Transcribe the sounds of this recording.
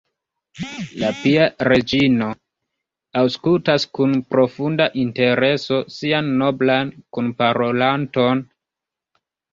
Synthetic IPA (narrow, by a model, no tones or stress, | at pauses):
lapiaɾe̞d͡ʒino̞ | awskultaskunpɾo̞fundaʔinte̞ɾe̞so̞sianːo̞blankunpaɾo̞lanto̞n